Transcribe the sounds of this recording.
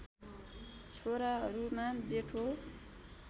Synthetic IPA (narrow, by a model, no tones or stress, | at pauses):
t͡sʰoɾaɦʌɾumad͡zeʈʰo